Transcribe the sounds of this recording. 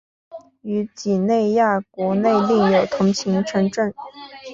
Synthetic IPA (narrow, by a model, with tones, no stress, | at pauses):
y˧˥t͡ɕi˨˩ne˥˧ɪja˥˩kwɔ˧˥ne˥˧ɪli˥˩ŋjo˨˩ʊt̪ʰʊ˧˥ŋɕʰi˧˥ŋʈ͡ʂʰɤ˧˥ŋʈ͡ʂə˥˩n